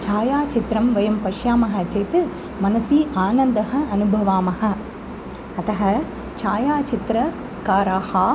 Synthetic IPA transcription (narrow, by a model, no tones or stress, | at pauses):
t͡ʃaːjaːt͡ʃɪt̪ɾɐmʋɐjɐmpɐʂjaːmɐɦɐt͡ʃɐjt̪ɯ | mɐnɐsiːʔaːnɐnd̪ɐɦɐɐnɯbʱɐʋaːmɐhɐ | ɐt̪ɐɦɐ | t͡ʃaːjaːt͡ʃɪt̪ɾɐ | kaːɾaːhaː